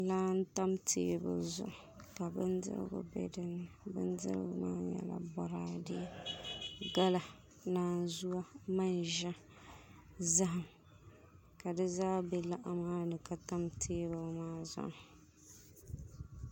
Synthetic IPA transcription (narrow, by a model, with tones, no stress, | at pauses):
laː˦n̩˦ta˦mtʰḛː˦bɨ̰˨lzʊ̰˨ʔʊ˨ | ka˨bɨ˦ndɨ̰˦ɾ̰ɡʊ̰˨bɛ̰˦dɨ˦nːɨ˨bɨ˦n˦dɨ̰˦ɾ̰ɡʊ˦maː˦ɲɛ̰˨la̰˨bɔ˨ɾaː˦dɪ˦jɛ˦˨ | ɡa˦la˨ | naː˦zu˦a˦ma˦nʒa˦ | za˦ɦa˨m | ka˨dɨ˦zaː˦bɛ˨la˦ʔa˦maː˦nɨ˨ka˨ta˦mtʰeː˦bɨ˨˦maː˦zʊ̰˨ʔ